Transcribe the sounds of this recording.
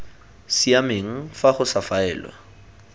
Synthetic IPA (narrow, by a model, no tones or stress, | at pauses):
siameŋ̩faχʊsafaɛ̰ːlwa̰